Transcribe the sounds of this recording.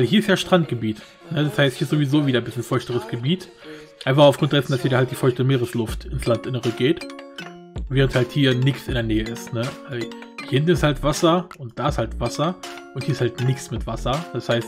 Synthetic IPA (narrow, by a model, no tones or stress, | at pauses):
vaɪlɦiːɐɪstjaːʃtʁ̥antɡ̥əbiːt | nəd̥ashaɪsthiːɐz̥oːvizoːviːdɐnbɪslənfɔɪçtəʁəsɡ̥əbiːt | ʔaɪnfaχaʊfɡ̥ʁʊntd̥ɛsn̩dashiːdɐhaltd̥iːfɔɪçtəmeːʁəslʊftɪnslantʔɪnəʁəɡeːt | veːʁənthalthiːɐnɪçsɪ̰ndeːɐnɛːəɪstnəazɪntn̩ɪsthaltv̥asɐʔʊnt̚d̥aːɪsthaltv̥asɐʔʊnthiːɐɪshaltnɪçt͡smɪtv̥asɐd̥ashaɪst